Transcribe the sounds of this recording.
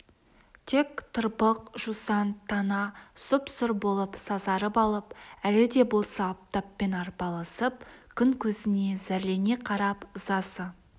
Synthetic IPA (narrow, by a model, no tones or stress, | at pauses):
t̪ʰe̞k̚t̪ʰəɾpəq̚ʒ̥usɑnt̪ʰɑnɑsʊpsʊɾbo̞lˠəpsɑzɑɾəpɑlˠəpælɪd̪e̞bo̞lˠsɑːp̚t̪ɑpːe̞nɑɾpɑlˠəsəp̚kʲʰʏŋkʲʰɵzɪne̞zæɾle̞ne̞qʰɑɾɑpəzɑsə